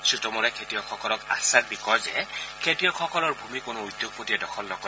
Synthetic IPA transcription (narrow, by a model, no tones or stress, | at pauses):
sɹitɔmɔlɛkʰetijɔkʰɔkɔlɔka̰sak̚bikɔjzɛ̰kʰetijɔkʰɔkɔlɔɹbʱumikʊnʊujd̪joɡ̚potiɛdɔkʰɔlnɔkɔ